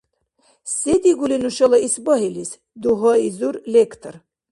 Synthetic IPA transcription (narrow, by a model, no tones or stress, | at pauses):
sɛd̪iɡulinuʃɔlaisbɔɦilis | d̪uɦɔizuɾlɛkʰt̪ʰɾ